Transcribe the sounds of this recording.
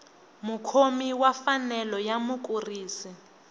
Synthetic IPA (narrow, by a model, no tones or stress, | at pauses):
mukʰomiwafanɛlɔjamuk̬ʼuriːsi